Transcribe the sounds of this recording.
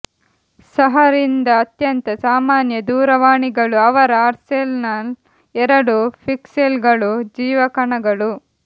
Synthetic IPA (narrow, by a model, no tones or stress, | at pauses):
sɐɦɐɾind̪ɐːt̪jɐnt̪ɐsaːmaːnjɐd̪uːɾɐʋaːɳiɡɐɭuɐʋɐɾɐaːɾselnɐl | ɛɾɐɽupʰikselɡɐɭud͡ʒiːʋɐkɐɳɐɡɐɭu